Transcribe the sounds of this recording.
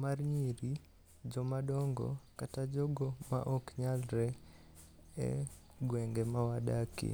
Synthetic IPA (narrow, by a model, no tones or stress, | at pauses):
marɲiɾi | d͡ʒɔmadɔŋɡɔ̰katad͡ʒoɡoma̰ʔokɲalɾɛ | ɛ̰ | ɡwɛŋɡɛmawadakḭ